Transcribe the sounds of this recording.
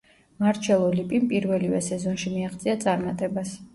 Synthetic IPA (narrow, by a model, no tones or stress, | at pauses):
maɾt͡ʃʰɛlˠɔlipʼimpʼiɾvɛlivɛ̰sɛzɔnʃimiaχt̪sʼiat̪sʼaɾmat̪ʼɛbas